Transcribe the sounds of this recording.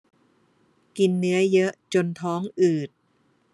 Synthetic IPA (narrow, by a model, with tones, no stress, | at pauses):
ki˧nːɯ˦˥ɐjɤ˦˥ʔt͡ɕo˧nt̪ʰɔː˦˥ŋʔɯː˨˩t̪̚